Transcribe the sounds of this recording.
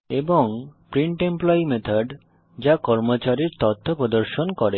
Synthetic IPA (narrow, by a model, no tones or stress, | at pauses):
eboŋpɾiɳʈemplɔimet̪ʰaɖ | d͡ʑakɔɾmot͡ɕaɾiɾt̪ɔt̪ʰːopɾod̪oɾʃonkɔɾe